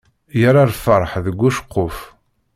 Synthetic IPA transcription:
jəɾˤaɾfəɾˤħðəɡʷːuʃqːof

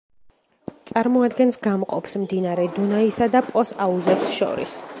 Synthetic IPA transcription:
t̪sʼaɾmɔad̪ɡɛnsɡamqʼɔpsmd̪inaɾɛd̪unaisad̪apʼɔsauzɛpsʃɔ̰ɾḭs

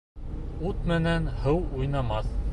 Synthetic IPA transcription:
ut̪mɘ̆nænhɤwujnɑmɑθ

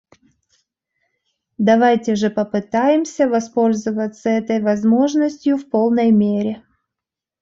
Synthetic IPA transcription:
d̪ɐvajtʲɪʐɨpəpɨt̪ajɪmsʲəvɐspo̞lʲzɨvət̪səɛt̪əjvɐzmo̞ʐnəsʲtʲjʊfpo̞lˠnəjmʲeɾʲɪ

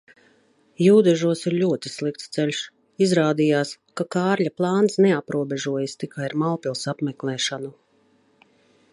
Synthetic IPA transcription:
juːd̪ɛʒuɔsiɾʎʲuɔt̪i̥slˠik̚t̪st̪sɛʎʲʃ | izɾaːd̪ijaːskakaːɾʎʲaplˠɑːnsneapɾuɔbɛʒuɔjast̪ikʰaiɾmalpilˠsapmɛklˠɛːʃanu

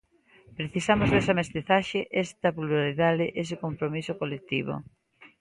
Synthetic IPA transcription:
pɾeθisamozðesɐmest̪iθaʃeʔest̪ɐpluaɾiðaðɪʔes̬ɪkompɾomisokolek̚t̪iβo̰

